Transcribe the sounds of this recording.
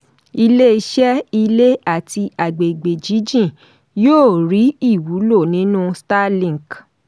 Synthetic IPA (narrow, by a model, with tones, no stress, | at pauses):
i˧le˦i˧ʃɛ˦i˧le˦a˦˨ti˧a˨ɡ͡be˨ɡ͡be˨d͡ʒi˨˦d͡ʒĩ˦˨ | joː˦˨ɾi˨˦i˦˨wu˨˦lo˦˨nĩ˨˦nũ˦sta˦lĩ˦˨k